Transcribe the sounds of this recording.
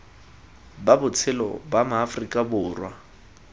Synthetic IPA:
babʊt͡sʰɪlɔ̰bamʊːfrikʼabʊːrwa

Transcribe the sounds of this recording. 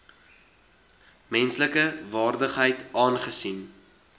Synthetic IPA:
mɛnsləkəvɑːrdəχɦəjtɑːnχəsin

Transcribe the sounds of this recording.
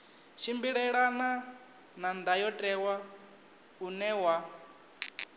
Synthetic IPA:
ʃʰimbiɺɛɺana | nand̪ajɔtʼɛwa | unɛwa

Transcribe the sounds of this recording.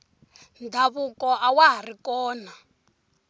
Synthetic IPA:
ndʱaβukɔʔawaɦarikɔːna

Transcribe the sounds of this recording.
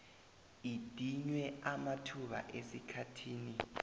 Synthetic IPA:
id̥ʱiɲwɛamatʰuɓa̰ʔesikʰatʰiːni

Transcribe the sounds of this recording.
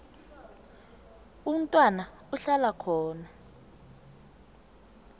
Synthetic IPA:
um̩tʼwana | uɬalakʰɔːna

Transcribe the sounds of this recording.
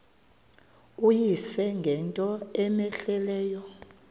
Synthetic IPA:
ujisɛŋɡʱɛntʼɔɛmɛɬɛlɛːjɔ

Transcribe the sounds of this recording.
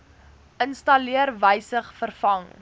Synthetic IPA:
ʔənstɐliərvəjsəχfərfɐŋ

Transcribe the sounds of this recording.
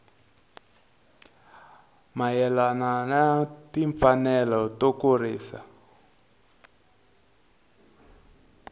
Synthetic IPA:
majɛlananatiɱfanɛlɔtɔkuriːsa̰

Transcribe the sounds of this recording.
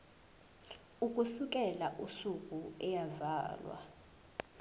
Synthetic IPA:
uk̬ʼusuk̬ʼɛlaʔusukʼuɛjaza̰ːlwa̰

